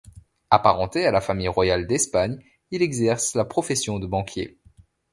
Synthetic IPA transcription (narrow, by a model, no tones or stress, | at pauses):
apaʁɑ̃t̪ealafamijʁwajald̪ɛspaɲ | ilɛɡzɛʁslapχɔfɛsjɔ̃d̪əbɑ̃kʰʲjḛ